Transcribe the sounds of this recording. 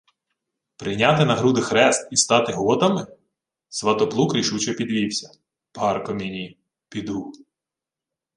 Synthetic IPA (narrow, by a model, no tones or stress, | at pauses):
pɾɪjnʲɑt̪ɪnɐɦɾud̪ɪxɾɛst̪ist̪ɑt̪ɪɦɔt̪ɐmɪ | sʋɐt̪ɔplˠukɾʲiʃut͡ʃɛpʲid̪ʋʲiwsʲɐ̥ | pɑrkɔmʲinʲi | pʲid̪u